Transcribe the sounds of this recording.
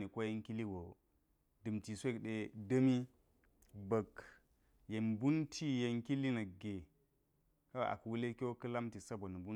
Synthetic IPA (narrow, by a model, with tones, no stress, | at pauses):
ni˨ko˦je˦ŋki˦li˦ɡo˨ | dɨ˨mti˨sʷe˦˨kɗe˨də˦mi˦ | bə˨k | je˨nbu˦ntʰi˦je˨ŋki˦li˦na˨ɡe˨ | ka̰˦˨a̰˨kwu˦le˦kʲo˦kɨ˦la˦mti˨sa˦bo˨n˨bu˦